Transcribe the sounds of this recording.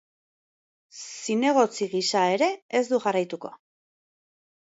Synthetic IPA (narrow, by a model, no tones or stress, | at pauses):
sine̞ɣ̞o̞t͡siɣisae̞ɾe̞ːzd̪uʝarajt̪uko̞̰